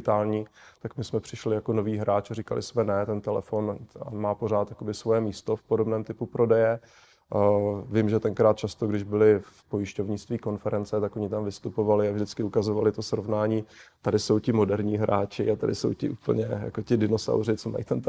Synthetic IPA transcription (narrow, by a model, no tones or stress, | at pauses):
t̪aːlɲiːt̪akmɪsmɛpr̥ɪʃlɪjakono̞viːɦɾaːt͡ʃarikalɪ̰smɛnɛt̪ɛnt̪ɛlɛ̰fo̞namaːpoɾ̝aːt̪jakobɪsvo̞jɛmiːst̪o̞fpo̞dobnɛːmt̪ɪpupɾo̞dɛjɛ | vɪmʒɛt̪ɛŋkɾaːt̪̚t͡ʃast̪oɡdɪʒbɪlɪfpo̞jɪʃco̞vɲɪt͡st̪viːko̞nfɛɾɛnt͡sɛt̪akoɲɪt̪amvɪst̪upo̞valɪavʒdɪt͡skɪukazovalɪt̪o̞sɾovnaːɲiːt̪adɪso̞wcɪmo̞dɛɾɲiːɦɾaːt͡ʃɪat̪adɪ̰so̞̰wcɪ̰ʔṵːpl̩ɲɛja̰kocɪdɪno̞sa̰wrɪt͡soma̰j̰t̪ɛnt̪